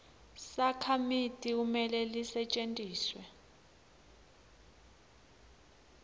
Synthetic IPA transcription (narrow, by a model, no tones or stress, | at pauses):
sakʰamitʼiumɛlɛlisɛt͡ʃʼentʼiːswɛ